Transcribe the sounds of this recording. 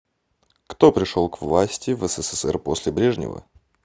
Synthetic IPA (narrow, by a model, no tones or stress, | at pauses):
kt̪o̞pɾʲɪʂolˠkvlˠasʲtʲɪvəsɛsɛsɛ̰rposʲlʲɪbɾʲeʐnʲɪ̰və̰